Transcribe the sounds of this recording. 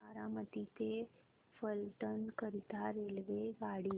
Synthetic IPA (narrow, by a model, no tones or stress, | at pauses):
aɾamət̪it̪e | fəlʈənkəɾit̪aɾelʋeɡaɽi